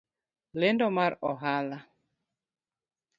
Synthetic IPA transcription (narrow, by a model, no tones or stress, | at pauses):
lendɔmaɾɔɦala